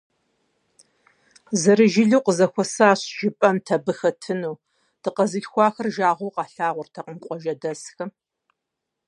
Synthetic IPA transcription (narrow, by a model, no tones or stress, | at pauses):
zɐɾɨʒɪɮuwqəzɐxʷɔsaːɕʒ̥ɪpʼɐmtʰɐbɨxɐtʰɨnuː | d̥ɨqɐzɨɬxʷɑːxɐrʒaːʁʷowqɑːɬaːʁʷʊrtʰɐqəmqʷʼɔʒɐdɐsxɐ